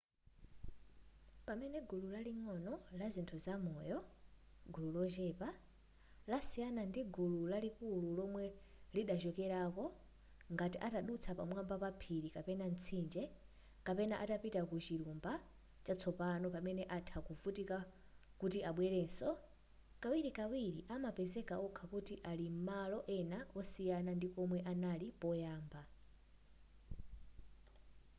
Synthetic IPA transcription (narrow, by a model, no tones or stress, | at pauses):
pamɛnɛɡululaliŋɔnɔlazintʰuzamɔjɔ | ɡululɔt͡ʃɛpa | lasianandiɡululalikululɔmwɛliɗat͡ʃɔkɛɾakɔ | ŋɡatiʔataɗut͡sʰapamwambapapʰiɾikapɛnant͡sʰind͡ʒɛ | kapɛnaʔatapitakut͡ʃiɾumba | t͡ʃat͡sʰɔpanɔpamɛnɛʔatʰakuvutika | kutiʔaɓwɛɾɛːnsɔ | kawiɾikawiɾiʔamapɛzɛkaukʰakutiʔalim̩malɔʔɛnaɔsijanandikɔmwɛʔanalipɔjaːmba